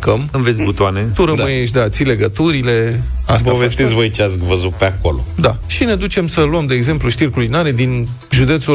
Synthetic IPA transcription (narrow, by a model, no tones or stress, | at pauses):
kəmɨmvesʲbut̪oanet̪uɾəəjeʃ̬d̪eat̪sile̞ɡət̪uɾile̞ast̪paovest̪et̪sʲvo̞jt͡ʃeat̪sʲvəzut̪̚peako̞lo̰d̪aʃine̞d̪ut͡ʃe̞msəluəmd̪e̞ːɡze̞mpluʃt̪irkulinaɾe̞d̪in | ʒud̪e̞t̪su